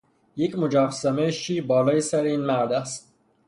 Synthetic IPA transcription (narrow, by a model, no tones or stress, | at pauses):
jecʰmod͡ʒɑːfsæmeʃiːbɒːlɒːjesæɾeinmæɾd̪æst̪